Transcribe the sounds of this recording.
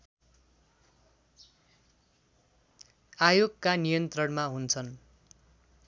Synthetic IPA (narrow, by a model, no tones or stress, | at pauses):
ajoɡkanijʌnt̪rʌnmaɦunt͡sʰʌn